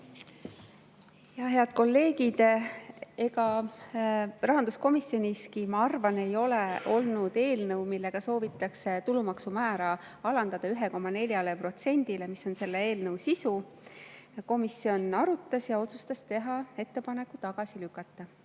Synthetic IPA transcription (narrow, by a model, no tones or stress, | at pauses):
jɑɦe̞ɑd̪̥̚ko̞lːe̞ːɡid̪̥ | e̞ɡɑ | rɑɦɑnd̪̥usko̞misjo̞niskimɑɑrvɑne̞jo̞leʔo̞lnud̪̥e̞ːlnɤwmilːe̞ɡ̥ɑso̞ːvit̪ːˑɑkse̞t̪ulumɑksumæːɾɑ | ɑlɑnd̪̥ɑd̪̥ɑyɦe̞ko̞mːɑne̞ljɑlepro̞t̪se̞nʲd̪̥ile̞misːo̞nse̞lːee̞ːlnɤwsisu | ko̞misːio̞nɑɾut̪ːˑɑsjɑo̞t̪su̥st̪ɑst̪e̞ɦɑe̞t̪ːe̞pɑne̞kːˑut̪ɑɡ̥ɑsilykːɑt̪ːˑɑ